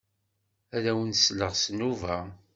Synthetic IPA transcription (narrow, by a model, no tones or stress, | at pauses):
æɾæwənsləʁsnuvæ